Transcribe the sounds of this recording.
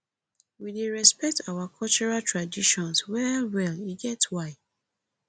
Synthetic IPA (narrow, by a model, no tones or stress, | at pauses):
wideɹɛspɛk̚tʰawakʰɔlt͡ʃɔɹaltʰɹadiʃɔ̃nswɛwɛliɡɛtwaɪ